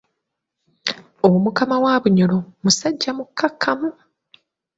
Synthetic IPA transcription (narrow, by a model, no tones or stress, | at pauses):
omukamawaːβuɲolomusaɟːamukʰːakʰːamu